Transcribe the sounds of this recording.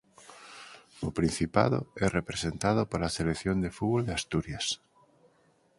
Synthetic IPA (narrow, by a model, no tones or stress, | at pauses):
opɾin̟θipa̰ðo̰ɛrepɾesent̪að̞opoɾaselekθjond̪efuβold̪east̪uɾjas